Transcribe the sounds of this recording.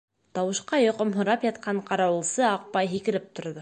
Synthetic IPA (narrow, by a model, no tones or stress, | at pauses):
t̪ɑwɤ̆ʃqɑjŏqɤmɦŏɾɑpjɑt̪̚qɑɴqɑɾɑwɤ̆lˠsɤɑq̚pɑjɦikɘ̆ɾɘp̚t̪ŏɾðɤ